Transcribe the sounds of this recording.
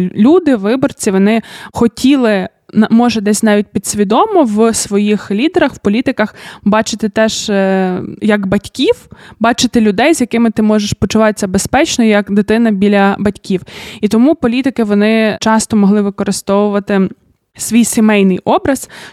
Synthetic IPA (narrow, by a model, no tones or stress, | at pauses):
lʲud̪ɪʋʋɪbɔrt͡sʲiʋɔnɪxɔtʲʰilˠɪ | mɔʒɛd̪ɛsʲnɑʋʲit̚ʲpʲid̪sʲʋʲid̪ɔmɔʋsʋɔjixlʲid̪ɛɾɐxwpɔlʲit̪ɪkɐxbɑt͡ʃɪt̪ɪt̪ɛʒ̥ | jɐɡbɐtʲkʲiwbɑt͡ʃɪt̪ɪlʲʊd̪ɛjzʲjɐkɪmɪt̪ɪmɔʒeʃpɔt͡ʃʊʋɑt̪et͡sʲːɐbespɛt͡ʃnɔjɐkd̪ɪt̪ɪnɐbʲilʲɐbɐtʲkʲiwit̪ɔmupɔlʲit̪ɪkɪʋɔnɪt͡ʃɑst̪ɔmɔɦlˠɪʋɪkɔɾɪst̪ɔʋʊʋɐt̪ɪ | sʋʲijsʲimɛjnɪjʔɔbɾɐz̥